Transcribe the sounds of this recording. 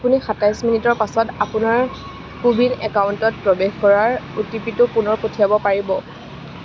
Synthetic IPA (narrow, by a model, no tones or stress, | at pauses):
apunixatajsminitɔɹpasɔtapʊnaɹ | kubinɛkaʊntɔt̚pɹɔbexkɔɹaɹutipitʊpunɔɹpotʰijabɔpaɹibɔ